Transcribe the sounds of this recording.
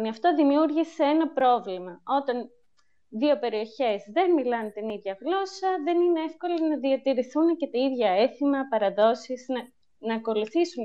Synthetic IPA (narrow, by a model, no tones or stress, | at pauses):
niɐft̪o̞ðimiuɾʝiseenɐpɾo̞vlimɐo̞t̪ɐn | ðio̞pe̞ɾio̞çe̞zðe̞nmilɐnt̪iniðʝɐɣlo̞sɐðe̞nineefko̞lonɐðiɐt̪iɾiθunɐcet̪ɐiðʝɐe̞θimɐpɐɾɐðo̞siznɐ | nɐːko̞luθisun